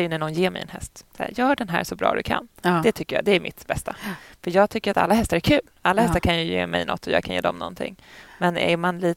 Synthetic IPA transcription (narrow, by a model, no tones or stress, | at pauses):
jɵnæɳɔnjeːmɛjɛ̰nhɛst̪sajœːɖɛnɦæ̰ːʂɔbɾɑ̰ːd̪ɵkʰa̰nd̥̪ɛt̪ʰʏkːəjɑ̰ːd̪ɛæɾmʔɪt̪bɛst̪afœjɑːɡ̚t̪ʰʏkːəɾat̪a̰lːaɦɛst̪aɾæɾkʰʉ̟ːlalːahɛst̪aɾkʰanjɵjeːmɛ̰jnɔ̰t̪ːɔjɑ̰ɡkʰanjḛːd̪ɔmnɔ̰nt̪ʰɪ̰ŋːmɛnæ̰manliː